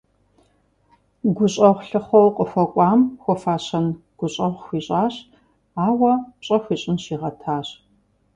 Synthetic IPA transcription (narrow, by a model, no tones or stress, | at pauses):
ɡʷʊɕʼɐʁʷɬɨχʷɐwqʼəxʷɐkʷʼɑːmxʷɔfaːɕɐnɡ̥ʷʊɕʼɐʁʷxʷiːɕʼaːɕ | aːwɐpɕʼɐxʷiːɕʼɪnɕiːʁɐtʰaːɕ